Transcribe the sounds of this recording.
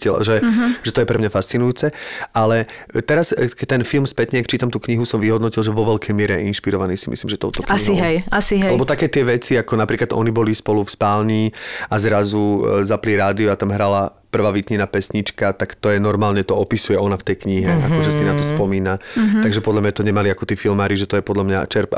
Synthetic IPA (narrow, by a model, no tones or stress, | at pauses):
ɛl̰ʒɛʒɛt̪ɔjɛpɾɛmɲafast͡sinujuːt͡sɛʔalɛ | t̪ɛɾaskɛc̚t̪ɛnfilˠmspɛt̪ɲɛak̚t͡ʃiːt̪amt̪uːkɲiɦusɔmʋiɦɔd̪nɔcilˠʒɛʋɔʋɛlkɛjmɪɛɾɛjɛ̰inʃpiɾɔʋaniːsi̥misliːmʒɛt̪ɔʊt̪ɔkaiiɦɛjasiɦɛlɛɛbɔt̪akɛːt̪ɪɛʋɛt͡siakɔnapɾiːklad̪ɔ̰nibɔlispɔlufspaːlniːazɾazuzapliɾaːd̪iɔat̪amɦɾala | pr̩ʋaːʋit̪ɲinapɛsɲit͡ʃkat̪akt̪ɔjɛnɔɾmaːlɲɛt̪ɔɔpisujɛɔnaft̪ɛjkɲiɦɛa̰kɔʒɛsinat̪ɔspɔmiːnat̪aɡʒɛpɔd̪lamɲat̪ɔɲɛmaliakɔt̪iːfilmaːɾiʒɛt̪ɔjɛpɔd̪ʎamɲa̰t͡ʃɛɾpa̰